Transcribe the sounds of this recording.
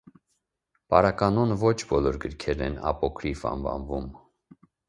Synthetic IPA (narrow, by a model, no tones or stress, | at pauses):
pɑɾɑkɑnɔnvɔt͡ʃʰbɔlɔɾɡəɾkʰɛɾɛ̰nɑ̰pɔkʰɾifɑ̰nvɑ̰nvum